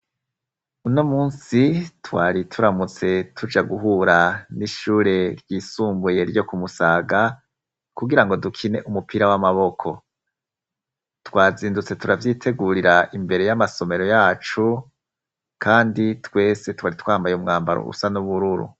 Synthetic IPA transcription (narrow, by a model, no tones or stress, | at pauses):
unomuːnsitwaːɾitʰuɾamut͡se̞tʰud͡ʒaɡuɦuːɾaniʃuːɾe̞ɾjiːsuːmbuje̞ɾjo̞kumusaːɡa | kuɡiɾaŋɡo̞dukʰine̞ʔumupiɾawamaβo̞kʰo̞̰ | twaːziːndut͡se̞tuɾavjiːtʰe̞ɡuɾiɾaʔimbe̞ɾe̞jamaso̞me̞ɾo̞jaːt͡ʃu | kʰaːnditwe̞ːse̞twaːɾitwaːmbajeumŋaːmbaɾo̰ṵsanuβuɾuɾṵ